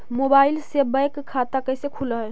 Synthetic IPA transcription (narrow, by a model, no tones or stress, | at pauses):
mobailsebəjkkʰːat̪akəjsekʰuləɦ